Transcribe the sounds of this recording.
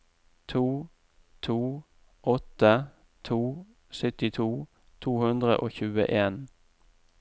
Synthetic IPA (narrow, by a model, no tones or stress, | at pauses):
t̪ʰuː | t̪ʰuː | ʔɔt̪ə | t̪ʰuː | sœt̪ɪt̪ʰuː | t̪ʰuːhʉnd̪ʁə̰ʔoːçʉːə̰ʔeːn